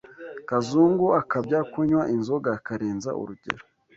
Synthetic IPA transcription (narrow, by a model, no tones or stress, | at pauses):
kazuŋɡuakabɟakuɲwaʔinzo̞ɡakaɾeːnza̰ṵɾuɟe̞̰ɾo